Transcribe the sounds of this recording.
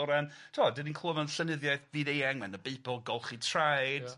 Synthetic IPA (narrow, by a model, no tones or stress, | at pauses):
ɾan | tʰoːdɪninkʰluːvɔnɬənɪðjajθbiðejɛŋmɛnəbejpʰɔlˠɡɔlˠχitʰrajd̥